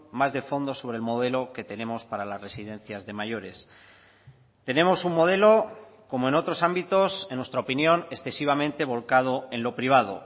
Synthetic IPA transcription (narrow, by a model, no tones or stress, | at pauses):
mazðe̞fo̞nd̪o̞so̞βɾelmo̞ðe̞lo̞ke̞t̪e̞nẽ̞mo̞spaɾalazre̞siðẽ̞n̟θjazðe̞maʝo̞ɾe̞s | t̪e̞nẽ̞mo̞suŋmːo̞ðe̞lo̞ | ko̞moenot̪ɾo̞sambit̪o̞senwe̞st̪ɾaopinjo̞ne̞sθe̞siβ̞amẽnt̪e̞β̞o̞lkað̞o̞e̞nlo̞pɾiβ̞að̞o̞̰